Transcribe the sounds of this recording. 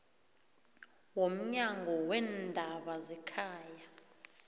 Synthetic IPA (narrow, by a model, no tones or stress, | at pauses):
wom̩ɲaŋʱɔwɛndʱaɓazɛkʰaːja